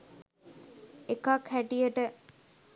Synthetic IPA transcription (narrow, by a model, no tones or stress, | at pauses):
ekakhæʈijəʈə